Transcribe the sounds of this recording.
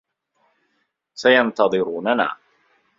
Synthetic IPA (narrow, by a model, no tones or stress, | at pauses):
sajɑnt̪ɑðˤɨɾuːnana̰ː